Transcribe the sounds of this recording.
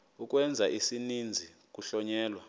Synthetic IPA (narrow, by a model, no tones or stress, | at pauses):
uk̬ʼwɛnd͡zʱaʔisinind͡zʱi | k̬ʼuɬɔɲɛːlwa